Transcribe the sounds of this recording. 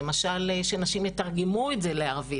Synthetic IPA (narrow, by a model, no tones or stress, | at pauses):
emaʃalʃenaʃimjet̪aʁɡemuetzeleaʁvi